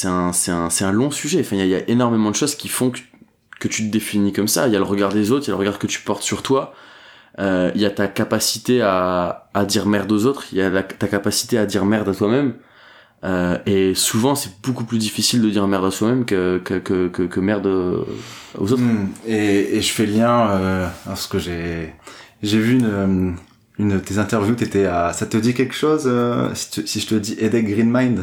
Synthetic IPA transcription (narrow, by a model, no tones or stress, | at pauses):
sɛt̪ɛ̃sɛt̪ɛ̃sɛt̪ɛ̃lɔ̃syʒɛ̃fɛ̃ijailja̰ʔenɔʁmemɑ̃d̪əʃoz̥kʲifɔ̃k | kət̪yt̪əd̪efinikɔmsajaləʁəɡaʁd̪ezot̪χjaləʁəɡaʁkət̪y̥pɔʁt̪syʁt̪wa | øijat̪akapasit̪eaː | d̪iʁmɛʁd̪ozot̪χiljalat̪akapasi̥t̪ead̪iʁmɛʁd̪at̪wamɛm | øesuvɑ̃sɛbokuplyd̪ifisild̪əd̪iʁmɛʁd̪aswamɛmkəkəkəkəkəmɛʁd̪o | o̰zot̪χeːʒəfɛljɛ̃øɑ̃sə̥kəʒe | ʒevyːnø | ynd̪ət̪ezɛ̃t̪ɛʁvjut̪et̪ɛasat̪əd̪ikʲɛlkʃozøsi̥t̪əsiʒət̪əd̪iʔed̪ɛɡʁinmajnd̪